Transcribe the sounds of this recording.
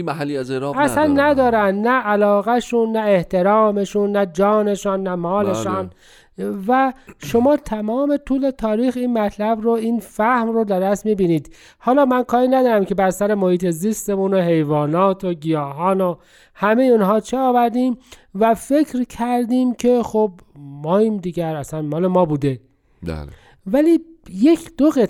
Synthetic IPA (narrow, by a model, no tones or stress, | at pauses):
mæɦælːiæzeɾæsænnːæd̪ɒːɾænd̪næːlɒːɣæʃunːæe̞ht̪ʰe̞ɾɒːme̞ʃunːæd͡ʒɒːne̞ʃɒːnːæmɒːle̞ʃɒːn | væʃo̞mɒːt̪ʰæmɒːme̞t̪ʰuːle̞t̪ʰɒːɾiːxiːnmæt̪ʰlæbɾoiːnfæhmrod̪æɾæsmiːbiːniːd̪̥ | hɒːlɒːmænkʰɒːɾiːnæd̪ɒːɾæmcʰe̞bæɾsæɾe̞mohiːt̪ʰe̞zist̪emunoɦe̞jvɒːnɒːt̪ʰoɟijɒːɦɒːno | hæmejeuːnɦɒːt͡ʃʰeɒːvæɾd̪iːm | væfe̞kʰɾkʰæɾd̪iːmcʰexob | mɒːiːmd̪iːɡæɾæsænmɒːle̞mɒːbuːd̪ḛ | væliːje̞cʰd̪̥oɣet̪